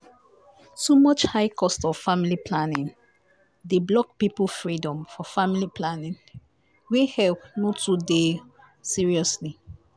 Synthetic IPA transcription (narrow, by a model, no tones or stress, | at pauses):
tomɔt͡ʃhaɪkʰɔstɔv̥familipʰlanĩŋ | deblɔk̚pipəl̩fɹidɔ̃mfɔfamiliplanĩn | wehɛlp̚notude | siɹiɔsli